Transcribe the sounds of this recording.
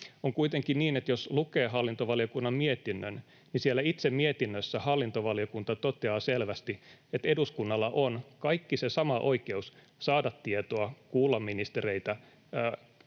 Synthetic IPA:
oŋkuit̪eŋkinniːnet̪joslukeːɦɑlːint̪oʋɑliokunːɑmmiet̪inːøn | nisielːæit̪semmiet̪inːøsːæhɑlːint̪oʋɑljokunt̪ɑt̪ot̪eɑːselʋæst̪iet̪eduskunːɑlːɑʔonkɑikːisesɑmɑʔo̞ike̞us | sɑːdɑt̪ːiet̪oɑkuːlːɑmːinist̪ereit̪æ

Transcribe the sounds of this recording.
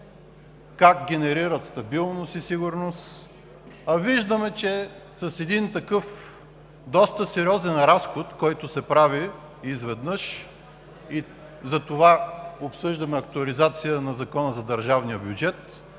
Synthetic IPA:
kakɡʲɛnɛɾiɾət̪st̪ɐbilˠnost̪isiɡʊɾnos | ɐviʒd̪əmɛt͡ʃɛ | sɐsɛd̪int̪ɐkɤf | d̪ɔst̪əsɛɾʲiɔzɛnɾasxot̪kɔjt̪ʊsɛpɾaviː | zvɛd̪nɤʃ | i | zɐt̪ovaopsɤʒd̪ɐmɛɐkt̪ʊɐlizat̪sijənɐzɐkɔnəzɐd̪ɐɾʒavnijəbʲjʊd͡ʒɛt̪

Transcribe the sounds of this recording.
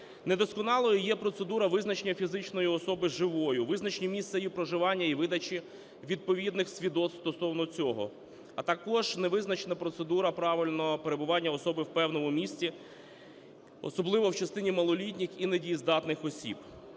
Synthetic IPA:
ned̪ɔskɔnɑlˠɔjijɛpɾɔt̪se̞d̪uɾɐʋɪznɐt͡ʃenʲːɐfʲizɪt͡ʃnɔjiɔsɔbɪʒɪʋɔjʊʋɪznɐt͡ʃnʲimʲist̪sɛjipɾɔʒɪʋɑnʲːɐiʋɪd̪ɐt͡ʃi | ʋʲid̪̚pɔʋʲid̪nɪxsʲʋʲid̪ɔt̪st̪ɔsɔwnɔt͡sʲɔɦɔ̰ | ɐt̪ɐkɔʒneʋɪznɐt͡ʃenɐpɾɔt̪sed̪uɾɐpɾɑʋɪlʲnɔpeɾebʊʋɑnʲːɐɔsɔbɪwpɛwnɔmʊmʲisʲtʲi | ɔ̰sɔblˠɪʋɔwt͡ʃɐst̪ɪnʲimɐlˠɔlʲitʲnʲixinedʲijizd̪ɑt̪nɪxɔsʲḭb

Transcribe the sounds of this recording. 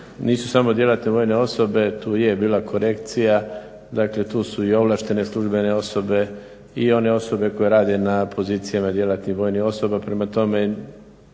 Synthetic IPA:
niːsu̥samo̞d̪je̞lat̪neʋo̞ːjne̞o̞so̞be̞t̪uːje̞biːlˠakʰo̞ɾe̞kt̪sija | d̪akle̞t̪uːsuio̞ʋlˠaːʃt̪e̞ne̞slˠuʒbe̞ne̞o̞so̞be̞ | io̞ne̞o̞so̞be̞ko̞je̞ɾaːd̪e̞napʰo̞ziːt̪sijamad̪je̞lat̪nihʋo̞ːjnixo̞so̞bapɾe̞mat̪o̞me̞

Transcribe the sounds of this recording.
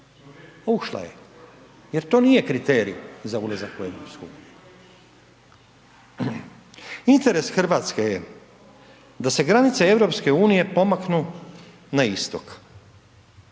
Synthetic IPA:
ouʃlˠa̰jḛ | je̞ɾt̪o̞ːnije̞kɾit̪eːɾḭjuzaulazakue̞̰ʋɾopskojṵːniju | int̪e̞ɾe̞sxr̩ʋaːt̪skeje | d̪ase̞ɡɾanit̪see̞ʋɾo̞pske̞uːnije̞po̞maknu | naist̪ok

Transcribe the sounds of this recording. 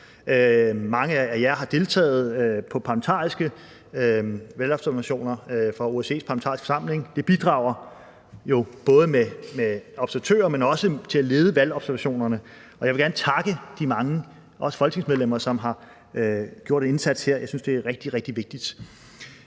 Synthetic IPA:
ømɑ̈ŋəææjæɦɑ̈d̥e̝lt͡sʰɛ̰ːð̞̩ˠpʰɒ̽pʰɑ̈lmət͡sʰɑ̰̈ːisɡ̥ə | ʋælɒ̽b̥sæɐæɕo̝̰ːnɐfɒo̝ese̝̰ːspʰɑ̈lmə̥ɑ̰̈ːɪsfɒ̽sɑ̈m̰le̝ŋd̥e̝b̥id̥ʁɑ̰̈ʊ̰ɐ | jo̝b̥ɔ̽ːð̞ˠəmemeɒ̽b̥sæɐt͡sʰø̰ːɐmenɒ̽sət͡sʰe̝æle̝ːð̞ˠəʋælɒ̽b̥sæɐʋæɕo̝̰ːnɐnə | ʔɒ̽jɑ̈ɪʋe̝ɡ̥æɐnət͡sʰɑ̈ɡ̥əd̥imɑ̈ŋə | ʔɒ̽səfɒlɡ̥ne̝ŋsmeðˠem̰ɐsɒ̽mɦɑ̈ | ɡ̥jo̝ɐ̰ɾ̥ene̝nsæd̥sheɐ̰jɑ̈ɪsynsd̥e̝æʁɛɡ̥̚d̥iʁɛɡ̥d̥iʋe̝ɡ̥̚d̥id̥

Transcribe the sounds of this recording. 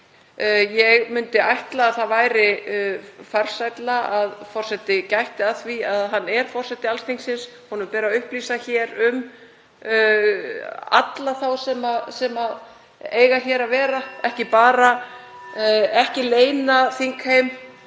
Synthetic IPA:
jɛɣmʏnt̪ɪajht̪laːðθaðvaːjɾɪ | far̥sajt̪laaðfɔr̥sɛt̪ɪcajht̪ɪaðθviaðɦanːɛɾ̥fɔr̥sɛht̪ɪalst̪iŋsɪns | hɔnʏmpɛːɾaʏhpliːsaçɛɾʏm | a̰t̪laθawsɛmasɛma | eːjɣaçɛːɾavɛːɾaɛhcɪpaːɾa | ɛhcɪleːjnaθiŋkhejm

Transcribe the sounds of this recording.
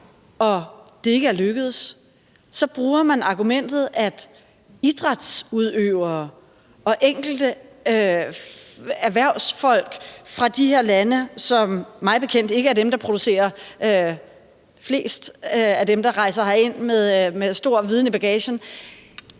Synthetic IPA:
ɒ̽d̥e̝e̝ɡ̥əæɐløɡ̥əð̞̩ˠs | sɒ̽b̥ʁuːɐmænɑ̈ɡ̥umen̰d̥ð̩ˠæd̥ | id̥ʁɑd̥suð̞ˠøʊɐː | ɒ̽ʔeŋ̰ɡ̥l̩d̥əø | æɐʋæɐʊ̰sfɒ̽l̰ɡ̥fʁɑ̈d̥iheɐlænəsɒ̽mmɑ̈ɪb̥e̝kʰen̰d̥e̝ɡ̥əæɐd̥emd̥ɑ̈pʰʁo̝d̥use̝̰ːɐø | fle̝̰ːsd̥æd̥emd̥ɑ̈ʁɑ̈ɪsɐhɑe̝n̰meðˠmesd̥o̝ɐ̰ʋið̞ˠnəb̥æɡ̥ɛːɕən

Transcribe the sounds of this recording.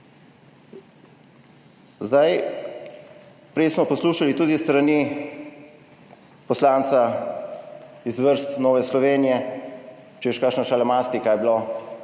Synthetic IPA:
zd̪aj | pɾɛjsmɔpɔsluːʃalit̪uːd̪ist̪ɾani | pɔslaːnt̪sa | izʋəɾst̪noːʋɛslɔʋeːnijɛ | t͡ʃɛiʃkaːkʃnaʃalamaːst̪ikaːjblo

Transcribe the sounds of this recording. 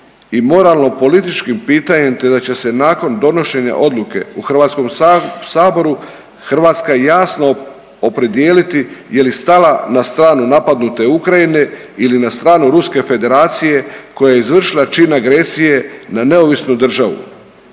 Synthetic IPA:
imo̞ɾalno̞po̞lit̪it͡ʃkimpiːt̪aɲe̞mt̪e̞d̪at͡ɕe̞se̞naːko̞nd̪o̞no̞ʃe̞ɲa̰ʔo̞d̪luke̞̰uxr̩ʋaːt̪sko̞msaːbo̞ɾu | xr̩ʋaːt̪skajejaːsno | opɾe̞d̪ijeːlit̪ije̞list̪alanast̪ɾaːnunapad̪nut̪e̞ukɾajine̞ | ilinast̪ɾaːnuɾuske̞fe̞d̪e̞ɾaːt̪sije̞ko̞jajeizʋr̩ʃilˠat͡ʃinaɡɾe̞sije̞nane̞o̞ʋisnud̪r̩ʒaʋṵ

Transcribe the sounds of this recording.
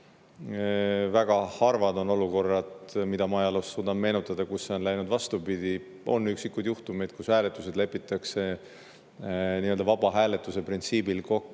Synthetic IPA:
væɡ̥ɑhɑrvɑd̪o̞no̞luko̞rːɑd̪̥mid̪ɑmɑjɑlosːuːd̪̥ɑmme̞ːnut̪ːˑɑd̪̥ɑkusːeo̞nlæjnud̪vɑst̪upid̪̥i | o̞̰nːyksikːujd̪juht̪umejd̪̥̚kushæːlet̪ːˑuse̞d̪le̞pːˑit̪ːˑɑkse̞ | niːøld̪ɑvɑb̥ɑɦæːle̞t̪ːˑuse̞print̪siːbilko̞kː

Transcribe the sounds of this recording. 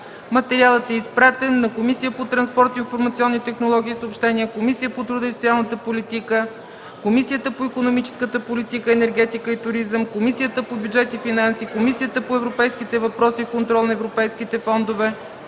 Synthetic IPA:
mɐt̪ɛɾialˠət̪ɛispɾat̪ɛnːɐkomisijəpot̪ɾɐnspɔɾt̪oinfoɾmɐt̪siɔnːit̪ɛxnolˠɔɡ̟iːsəopʃt̪ɛniəkomisijəpot̪ɾud̪əisot̪ialˠnət̪əpolit̪ikə | komisijət̪əpoikonomit͡ʃɛ̥skət̪əpolit̪ikəɛnɛɾɡɛt̪ikəit̪ʊɾizəmkomisijət̪əpobʲjudd͡ʒɛt̪ifinansikomisijət̪əpoɛvɾopɛjsk̟it̪ɛvɐpɾɔsiːkont̪ɾɔlˠnɐɛvɾopɛjsk̟it̪ɛfɔnd̪ovɛ

